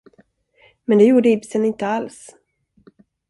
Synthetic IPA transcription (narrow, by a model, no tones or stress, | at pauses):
mɛnd̪ɛjuːɖəɪbsənɪnt̪əals